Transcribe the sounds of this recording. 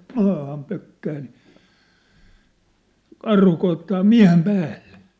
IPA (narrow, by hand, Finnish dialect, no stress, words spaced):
mɑːhɑm pøkːæː ni kɑrhu koitːɑː miæ̝hem pæːlːe̥